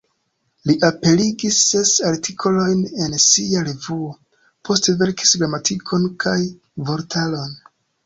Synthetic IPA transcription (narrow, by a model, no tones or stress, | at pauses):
liʔape̞liɡisːe̞saɾtʰikʰo̞lo̞jne̞nsiaɾevuo | pʰo̞steve̞ɾki̥sɡɾamatʰikʰo̞nkʰaj | vo̞ɾtʰalo̞n